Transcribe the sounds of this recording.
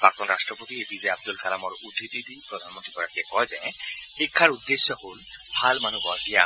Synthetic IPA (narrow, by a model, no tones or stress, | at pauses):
b̥ak̚t̪ɔnɾasʈɾɔpot̪iebizeeab̚d̪ulkʰalamɔɾudʰʱidid̪ipɾɔd̪ʱanmont̪ɾikɔjat̪kekɔjzɛxikʰːaɾud̪ːesːɔholbʱalmanubɔija